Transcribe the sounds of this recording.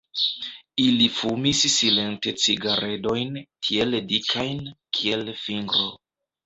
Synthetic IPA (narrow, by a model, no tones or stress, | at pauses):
ilifumisːile̞nte̞t͡siɡaɾe̞do̞jnkʰie̞ldikʰajnkʰie̞lfiŋɡɾo̞